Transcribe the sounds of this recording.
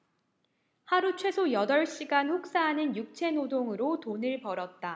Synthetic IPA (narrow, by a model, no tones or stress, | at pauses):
haɾut͡ɕʰwe̞sʰojʌdʌɭɕ͈iɡanɸok̚s͈aɦanɯnjuk̚t͡ɕʰe̞nodoŋɯɾotonɯɭpʌɾʌt̚t͈a